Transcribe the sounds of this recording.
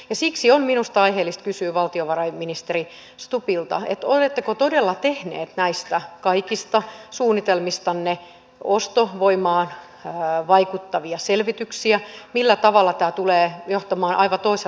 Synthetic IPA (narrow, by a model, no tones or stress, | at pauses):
jɑsiksiomminust̪ɑiheːlːist̪̚kysyːʋɑlt̪ioʋɑrɑiminist̪eri | st̪upilt̪ɑ̰ḛt̪olet̪ːekot̪odelːɑt̪ehnḛːt̪næist̪ækɑikist̪ɑsuːnːit̪elmist̪ɑnːe | ost̪oʋoimɑːn | ʋɑikut̪ːɑʋiɑselʋit̪yksiæmilːæt̪ɑʋɑlːˑɑt̪æːt̪uleːjoht̪ɑmɑːnʔɑiʋɑt̪oise